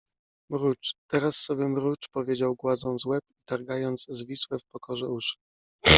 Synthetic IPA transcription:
mɾut͡ʂt̪ɛɾasːɔbʲjɛmɾut͡ʂpɔvʲjed͡ʑawɡwad̪zɔ̃w̃zwɛpit̪aɾɡajɔnt̪zzvʲiswɛfpɔkʰɔʐɛuʂɘ̥

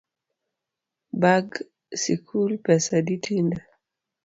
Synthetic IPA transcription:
baɡ | sikʰulpɛsaditʰinda

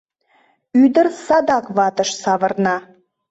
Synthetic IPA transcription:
yd̪ərsɑd̪ɑkβɑt̪ə̆ʃsɑβə̆rnɑ

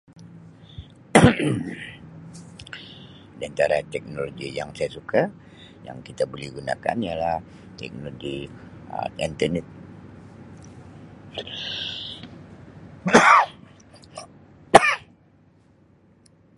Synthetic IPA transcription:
diant̪aɾat̪ɛk̚noloɡijaŋsajasuka | ja̰ŋkit̪abolɛhɡuna̰ka̰nijalah | t̪ɛ̰k̚noɡḭ | int̪ənɛt̪̚

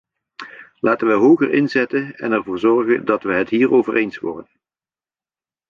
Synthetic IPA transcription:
lʔaːtənʋəɦowɣərʔɪnzɛtənɛ̰nɛɹvʊːɹzɔɹχəndɑtʋəɦətɦiːrowvərʔejnsʋʊ̰ːrdən

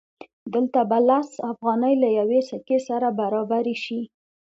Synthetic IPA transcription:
d̪əlt̪abalasafɣɑnəjlajawesakesaɾabaɾɑbaɾeʃi

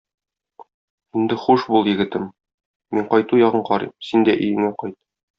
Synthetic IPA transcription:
ind̪ɘχuʃbulˠjɘ̆ɡɘ̆t̪ɘm | miɴqɒjt̪ujɒʁɤɴqɒɾimsind̪æʔɵ̆jɘ̆ŋæqɒjt̪̚

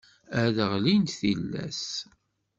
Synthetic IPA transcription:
æðəʁlint̪θilːæ̰s

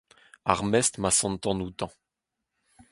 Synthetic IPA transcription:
a̰ʁmɛst̪masɑ̃nt̪ɑ̃nut̪ɑ̃

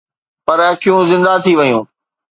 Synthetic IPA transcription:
pɐɾɐkʰijũzɪ̃nd̪at̪ʰiʋɐjũː

